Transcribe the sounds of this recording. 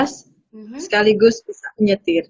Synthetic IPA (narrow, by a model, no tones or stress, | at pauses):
s | sə̥kaliɡʊsbisaməɲət̪ɪr